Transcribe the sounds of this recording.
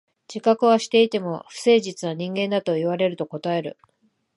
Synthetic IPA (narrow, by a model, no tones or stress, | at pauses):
d͡ʑikakɯ̟βaɕi̥t̪e̞it̪e̞mo̞ɸɯ̟̥se̞ːʑit͡sɨnaɲ̟ĩŋɡẽ̞nd̪at̪o̞iβ̞aɾe̞ɾɯ̟t̪o̞ko̞t̪ae̞ɾɯ̟